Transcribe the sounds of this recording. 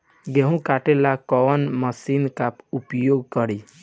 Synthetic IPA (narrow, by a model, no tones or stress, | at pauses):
ɡeɦũkaʈelakɔnməsinkapupjoːɡ̚kəɾi